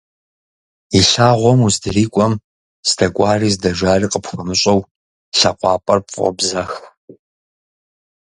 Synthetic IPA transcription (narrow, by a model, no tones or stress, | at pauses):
iɬaːʁʷɔmuzdɨriːkʷʼɔm | sdʰɐkʷʼɑːriːzdɐʒaːriːqəpʰxɐmɨɕʼɐw | ɬɐqʷɑːpʼɐrpʼʁɔ̰bzɐx